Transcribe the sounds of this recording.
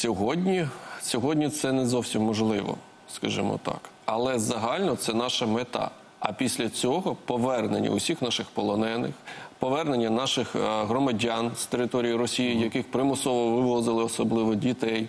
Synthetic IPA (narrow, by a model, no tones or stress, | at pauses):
sʲɔɦɔdʲnʲisʲɔɦɔdʲnʲit̪sɛnɛzɔwsʲimːɔʒlˠɪʋɔ̰ | skɐʒɪmɔ̰t̪ɑ̰k | ɐlˠɛzɐɦɑlʲnɔt̪sɛn̪ɑʃɐmet̪ɑ̰ | ɐpʲisʲlʲɐt͡sʲɔɦɔpɔʋɛrnenʲːɐ̰ʊsʲixnɑʃɪxpɔlˠɔnɛnɪ̰xpɔʋɛrne̞nʲːɐnɑʃɪxɦɾɔmɐdʲanst̪eɾɪt̪ɔɾʲijiɾɔsʲijijɐkɪxpɾɪmʊsɔʋɔʋɪʋɔzɪlˠɪɔsɔblˠɪʋɔdʲit̪ɛj